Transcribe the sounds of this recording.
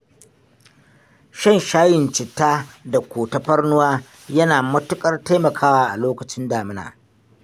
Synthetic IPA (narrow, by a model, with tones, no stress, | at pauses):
ʃɐ˦˨nʃaː˦jɪ˨nt͡ʃɪ˨tːaː˦da˨kʷoː˨tɐ˦ɸɐ˦rnʊ˦waː˦ | jɐ˦naː˨mɐ˦tʊ˦kʼɐ˦rta˦jmɐ˨kʰaː˦waː˦ʔa˨loː˦kɐ˨t͡ʃɪ˦ndaː˨mɪ˦na̰ː˨